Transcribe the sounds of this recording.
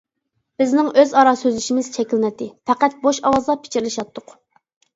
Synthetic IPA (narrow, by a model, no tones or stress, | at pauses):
b̥ɪznɪŋøzɑɾɑsøzɪʃimɪz̥t͡ʃʰɛkʲilnɛt̪ːɪfʰæqæt̪̚boʃɑwɑzlˠɑpʰɪ̥t͡ʃʰiɾlˠɪʃɑt̪ʰːʊq